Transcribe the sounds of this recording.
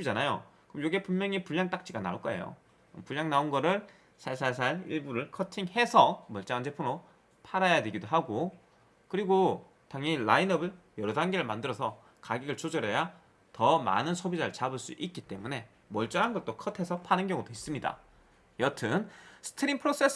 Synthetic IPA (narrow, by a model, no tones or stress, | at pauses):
id͡ʑanajo̰kɯjoɡepummjʌŋipuʎːaŋt͈ak̚t͡ɕ͈ʰiɡana̰oɭk͈ʌe̞̰jo̰ | mpuʎːaŋnaonɡʌɾɯɭ | sʰaɭsʰaɭs̬ʰaɭḭɭbuɾɯɭkʰʌtʰiŋhe̞sʰʌmʌɭt͡ɕ͈aand͡ʑe̞pʰɯno | pʰaɾajadwe̞ɡidoɦaɡo | kɯɾiɡo | taŋilainʌbɯɭ | jʌɾʌdaŋɡeɾɯɭmandɯɾʌsʰʌ | kaɡiɡɯɭt͡ɕod͡ʑʌɾeja | tʌma̰nɯnsʰobid͡ʑaɾɯɭt͡ɕabɯɭs͈ṵʔik̚k͈it͈e̞mune̞ | mʌɭt͡ɕ͈ʌɾɦanɡʌt̚t͈okʰʌtʰe̞sʰʌpʰanɯnɡjʌŋudois͈ɯmɲida̰ | jʌtʰɯnsʰɯ̥tʰɯɾimpʰɯɾos͈ʰe̞s